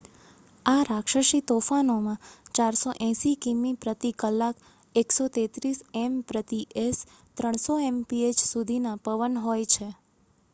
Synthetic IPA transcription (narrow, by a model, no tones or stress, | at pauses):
aɾakʃəʃit̪ofanomãt͡ʃaɾsoʔɛ̃sikimːipɾət̪ikəlːak | eksot̪et̪ɾisempɾət̪iʔes | t̪ɾəɳ̃soempiet͡ʃsud̪ʱinapəʋənɦojt͡ʃʰe